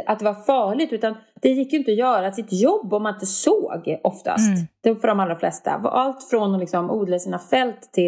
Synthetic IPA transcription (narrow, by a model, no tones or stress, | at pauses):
ʔat̪̚d̪ɛvaɾfɑːɭɪt̪ʉ̟ːt̪and̪̥ɛjɪkːjɵɪnt̪əɔjœːɾasɪt̪jɔbːɔmːanɪnt̪əsoːɡʔɔft̪a̰st̪d̪̥ɛfœɖɔmalɾaflɛst̪a̰v̰ʔalt̪fɾɔnɔlɪksɔmʔuːd̪lasiːnafɛlt̪ʰːɪ